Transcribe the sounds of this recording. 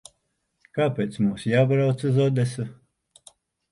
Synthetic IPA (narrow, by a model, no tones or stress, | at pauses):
kaːpʲeːt̪smuːsjaːbɾawt̪sɨzɔd̪ɛsu